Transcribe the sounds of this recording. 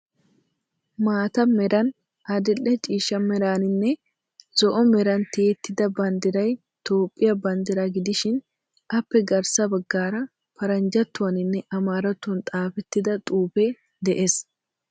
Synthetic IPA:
maːt̪ɐmɛɾɐn | ɐd̪ɪlːɛt͡ʃʼiːʃɐmɛɾaːnɪnːɛ | z̥ɔʔɔmɛɾɐnt̪eːt̪ːɪd̪ɐbɐnd̪ɪɾɐj | t̪o̞ːpʼːɪjɐbɐnd̪ɪɾaɡɪd̪ɪʃɪn | ʔɐpːɛɡɐɾsɐbɐɡːaːɾɐ | pɐɾɐnd͡ʒɐt̪ːʊwɐnɪnːɛʔɐmaːɾɐt̪ːɐnt̪ʼaːfɛt̪ːɪd̪ɐt̪ʼuːpɛ | d̪ɛʔes

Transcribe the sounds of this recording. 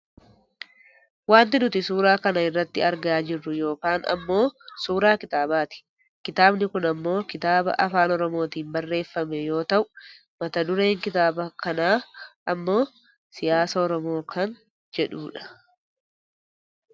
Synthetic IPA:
waːnt̪̬ɪnʊt̪ɪsuːɾaːkɐnɐɪrːɐt̪ːɪɐɾɡaːd͡ʒɪrːʊjo̞ːkaːnɐ̰mːo̞ːsuːɾaːkɪt̪aːbaːt̪ɪ̥ | kɪt̪aːbnɪkʊnɐmːo̞ːkɪt̪aːbɐ̰ʔɐfaːnɔɾɔmo̞ːt̪iːmbɐrːe̞ːfːɐmɛjo̞ːt̪ɐʔʊ | mɐt̪ɐd̪ʊɾeːŋkɪt̪aːbɐkɐnaːʔɐmːo̞ː | sɪjaːsɐɔɾɔmo̞ːkʰɐn | d͡ʒɛᶑuːᶑɐ̥

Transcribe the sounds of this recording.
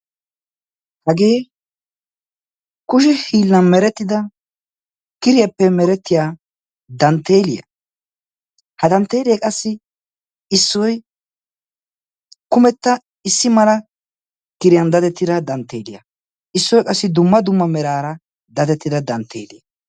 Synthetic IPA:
hɐɡeː | kʊʃ̬ɪhiːlːɐnmɛɾɛt̪ːɪd̪ɐ | kɪɾɪjɛpːɛmɛɾɛt̪ːɪjaː | d̪ɐnt̪ːe̞ːlɪjɐ̰ | hɐd̪ɐnt̪ːe̞ːlɪjɐkʼɐsːɪ | ɪsːɔj | kʊmɛt̪ːɐ | ɪsːɪmɐlɐ | kɪɾɪjɐnd̪ɐt̪ɛt̪ːɪd̪ɐd̪ɐnt̪ːe̞̰ːlɪjɐ̰ | ʔɪsːɔjkʼɐsːɪd̪ʊmːɐd̪ʊmːɐmɛɾaːɾɐ | d̪ɐt̪ɛt̪ːɪd̪ɐd̪ɐnt̪ʰːḛːlɪjɐ

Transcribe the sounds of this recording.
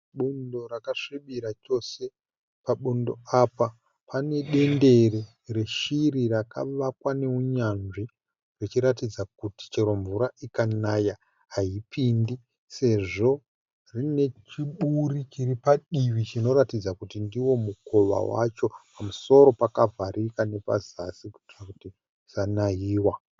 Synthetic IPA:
ɓundo̞ɾakaʂiɓiɾat͡ʃo̞se̞ | paɓundo̞apa | pane̞ɗe̞nde̞re | re̞ʃiɾirakʰa̰ʋakwane̞uɲanʐi | rit͡ʃiɾatid͡zak̚uti̥t͡ʃe̞ɾo̞ɱvuɾaʔikanaja | ɦaipʰindi | se̞ʐo̞ | rine̞t͡ʃiɓurit͡ʃiripaɗiʋit͡ʃino̞ɾatid͡zakutindiwo̞muko̞ʋa̰wa̰t͡ʃo̞pamuso̞ɾo̞pakavʱaɾikane̞pa̰zasiku̥t͡ʃkakuti | z̥anajiːwa

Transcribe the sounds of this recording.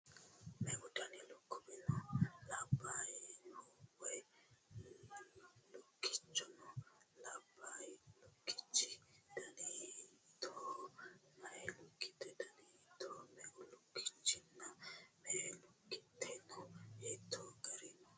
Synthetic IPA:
mɛɡudanilokːubinɔlabajinɔwɛ | lokːi̥t͡ʃːɔnɔlabajilokːi̥t͡ʃːid̥anitɔ | naɛlukːi̥t̪ɛdanitɔmɛɡulokːi̥t͡ʃːinːamɛlokːitːɛnɔɛt̪ʰɔɡaɾinɔ

